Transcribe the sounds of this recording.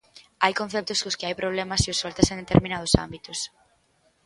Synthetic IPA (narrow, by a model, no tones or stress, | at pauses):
ajkõn̟θɛp̚t̪ʊskʊskɪajpɾoβ̞lemɐsiʊsɔlt̪asẽnd̪et̪eɾminað̞ʊsa̰mbit̪ʊs